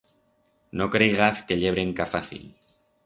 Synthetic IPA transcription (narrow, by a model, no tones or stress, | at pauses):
no̞kɾeɣaθke̞ʎe̞β̞ɾe̞ŋkafaθḭl